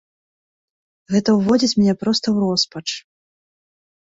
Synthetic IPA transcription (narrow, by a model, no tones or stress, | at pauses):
ɣɛt̪ɐwvɔd͡zʲit͡sʲmʲnʲɛpɾɔst̪ɐwɾɔspɐt͡ʂ